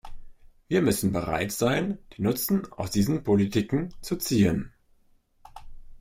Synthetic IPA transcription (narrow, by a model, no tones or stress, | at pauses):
viːɐmʏsn̩bəʁ̞a̰ɪtz̥aɪnd̥iːnʊt͡sn̩ʔa̰ʊsd̥iːzən̩pʰolitʰiːkŋ̩t͡sut͡siːən